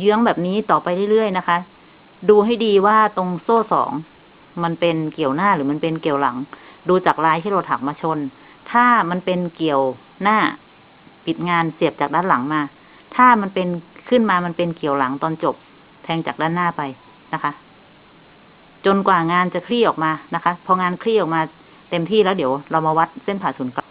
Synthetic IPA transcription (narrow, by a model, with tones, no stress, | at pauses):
jɯ˦˥ə˨ŋbɛː˨˩p̚niː˦˥t̪ɔː˨˩pa˧jle˥˩jlɯ˥˩əjna˦˥kʰa˦˥ | duː˧ɦa˥˩jdiː˧waː˥˩t̪o˧ŋsoː˥˩sɔ̰ː˩˦ŋ | ma˧npe˧nki˨˩əwnaː˥˩ɾɯː˩˦ma˧npe˧nki˨˩əwla̰˩˦ŋduː˧t͡ɕaː˨˩k̚laː˧jt̪ʰiː˥˩la˧˩t̪ʰa˨˩k̚maː˧t͡ɕʰo˧n | t̪ʰaː˥˩ma˧npe˧nki˨˩əw | naː˥˩ | pi˨˩t̪̚ŋaː˧nsi˨˩əp̚t͡ɕaː˨˩k̚daː˧˥˨nla˩˦ŋmaː˧ | t̪ʰaː˥˩ma˧npe˧nkʰɯ˥˩nmaː˧ma˧npe˧nki˨˩əwla˩˦ŋt̪ɔː˧nt͡ɕo˨˩p̚ | t̪ʰɛː˧ŋt͡ɕaː˨˩k̚daː˧˥˩nːaː˥˩pa˧j | na˦˥kʰa˦˥ʔ | t͡ɕo˧nkwaː˨˩ŋaː˧nt͡ɕa˨˩kʰɾiː˥˩ʔɔː˨˩k̚maː˧na˦˥kʰa˦˥pʰɔ˧ŋaː˧nkʰli˦˥˩ʔɔː˨˩k̚maː˧ | t̪e˧mt̪ʰiː˥˩˨lɛː˦˥wdi˩˦wɾa˧wmaː˧wa˦˥t̪̚se˥˩npʰaː˨˩suː˩˦nk